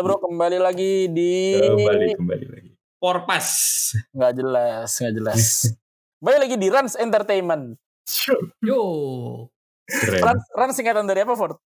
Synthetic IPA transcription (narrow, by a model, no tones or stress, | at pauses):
abəɾwakəmbalilaɡidibalikəmba̰lḭla̰ɡi | pɔrpasŋɡaʔd͡ʒəlasŋɡaʔd͡ʒəlas | kəmbalilaɡidiɾansɛnt̪ərt̪ejmən | jo | ɛɾansransiŋkat̪and̪aɾiapafɔrt̪̚